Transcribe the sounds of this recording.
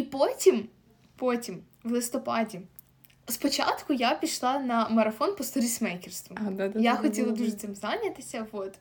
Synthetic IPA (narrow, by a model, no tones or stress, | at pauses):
ipotʲim | potʲim | ʋlˠɪst̪ɔpɑdʲi | spɔt͡ʃa̰t̪kʊjapʲiʃlˠɑnɐmɐɾɐfɔnpɔst̪ɔɾʲismɛjkʲɪrst̪ʋʊad̪ajaxɔtʲilˠɐd̪uʐɛt̪sɪmzanʲɐt̪ɪsʲɐʋot̪